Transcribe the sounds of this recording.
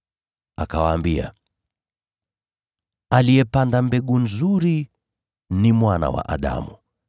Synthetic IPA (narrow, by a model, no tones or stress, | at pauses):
akawaːmbia̰ | alijɛpandambɛɠunzuɾi | nimwana̰wa̰ʔaɗa̰mu